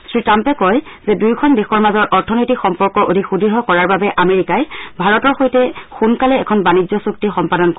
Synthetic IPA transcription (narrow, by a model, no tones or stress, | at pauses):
sɹitampɛkɔjzɛdujkʰɔndexɔɹmazɔɹʔɔɹtʰɔnojtikxɔmpɔɹkɔʔodʱixudiɦɔkɔɹaɹbabɛʔameɹikajbʱaɹɔtɔɹxojtɛxunkalɛːkʰɔnbanizɔsuk̚tixɔmpadɔnk